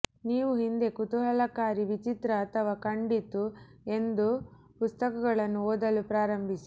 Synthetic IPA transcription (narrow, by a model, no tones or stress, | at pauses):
niːʋuɦind̪e̞kut̪uɦɐlɐkaːɾiʋit͡ʃit̪ɾɐːt̪ʰɐʋaːkɐɳɖit̪u | e̞nd̪u | pust̪ɐkɐɡɐɭɐnːuoːd̪ɐlupɾaːɾɐmbʱisi̥